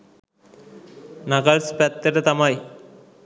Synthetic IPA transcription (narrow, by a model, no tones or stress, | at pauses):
naɡalspɛt̪ːeʈat̪amaj